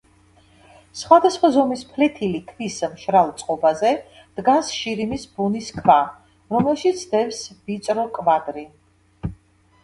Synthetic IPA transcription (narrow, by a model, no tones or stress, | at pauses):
sχwad̪asχwazɔmispʰlɛt̪ʰilikʰvismʃɾalˠt̪sʼqʼɔbazɛ | d̪̥ɡansʃiɾimisbuniskʰva | ɾɔmɛlʃit̪sʰd̪ɛfsb̥it̪sʼɾɔkʼvad̪ɾi